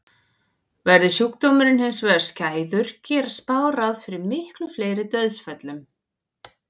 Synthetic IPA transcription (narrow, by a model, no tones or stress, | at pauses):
vɛɾðɪsjukt̪owmʏɾɪnhɪnsvɛðɾ̥scaːjðʏɾ̥cɛːɾaspaːwɾaðfɪɾɪɾmɪhklʏfleːjɾɪt̪œɥðsfɛt̪lʏm